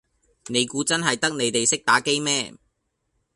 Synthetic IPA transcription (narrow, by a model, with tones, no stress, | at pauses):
ne˨˧jkuː˨˥t͡sɐ˥nɦɐ˨jt̪ɐ˥k̚ne˨˧jt̪e˨jsɪ˥k̚t̪aː˨˥ke˥jmɛː˥